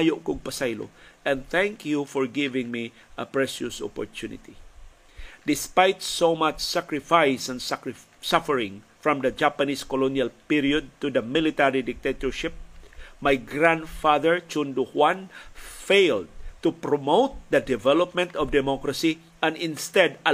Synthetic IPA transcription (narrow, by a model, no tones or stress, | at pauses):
ajoʔkʊɡ̚pasajlo̰ɛ̃nθɛ̃ŋkjufɔɹɡɪvɪ̃ŋmi | ʔɐpɹɛʃʊsɔ̰pɔ̰ɹt̪unɪ̰t̪i | d̪ɪspajt̪somat͡ʃsakɹɪfajsɛ̃nsk | safəɹɪ̃ŋ | fɹɔ̃md̪ɐd͡ʒapaniskɔlonjalpiɹiɔd̪̚t̪ud̪ɐmɪlit̪aɹid̪ɪk̚t̪et̪ɔɹʃɪp̚majɡɾãndfaðəɹt͡ʃũnd̪uhwãnfeɪld̪̚t̪upɹɔmoʊt̪̚d̪ɐd̪ɛvɛlɔp̚mɛ̃nt̪ɔvd̪ɛmɔkɾasi | ɛ̃nɪ̃nst̪ɛd̪a